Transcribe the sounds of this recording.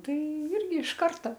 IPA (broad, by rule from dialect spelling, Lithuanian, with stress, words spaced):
ˈtɐɪ ˈɪrʲɡʲɪ ɪʃ ˈkɐrtɐ